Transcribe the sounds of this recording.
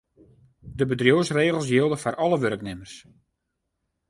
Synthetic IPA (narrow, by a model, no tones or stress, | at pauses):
dəbədrjoːsreːɣəlˠs̬jɪlˠdəfɔrʔɔləʋøɾəknɪmərs